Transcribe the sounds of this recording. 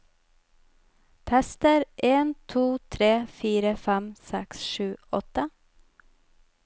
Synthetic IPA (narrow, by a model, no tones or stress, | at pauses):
p̪ʰɛst̪əɾʔeːnt̪ʰuːt̪ʰɾeːfiːɾəfæmsɛksʃʉːɔt̪ə